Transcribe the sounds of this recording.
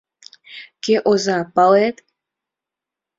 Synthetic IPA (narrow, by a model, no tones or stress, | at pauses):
keʔozɑpɑlet̪